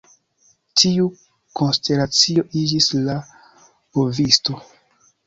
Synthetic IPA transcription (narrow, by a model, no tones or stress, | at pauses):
tʰiu | ko̞nste̞lat͡sio̞ʔid͡ʒisla | ovisto̞